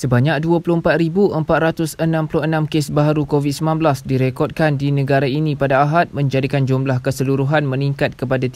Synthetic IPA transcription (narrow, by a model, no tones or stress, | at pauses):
səbaɲak̚duəplʊhəmpat̪̚ɾibuʔəmpat̪̚ɾat̪ʊsənãmpulʊənãmkesbaɦaɾukovit̪̚səmãnblasdiɾekɔt̚kandinə̃ɡaɾainĩpadaːɦat̪̚mə̃ɲd͡ʒadikand͡ʒumblahkəsəluɾuɦanmə̃nĩŋkat̪̚kəpadat̪i